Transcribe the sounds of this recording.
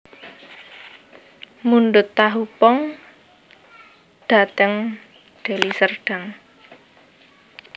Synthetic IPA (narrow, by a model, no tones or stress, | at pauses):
munɖʊt̪ːaɦupɔŋ | d̪̥a̤t̪əŋ | ɖ̪̥e̤lisərɖ̥a̤ŋ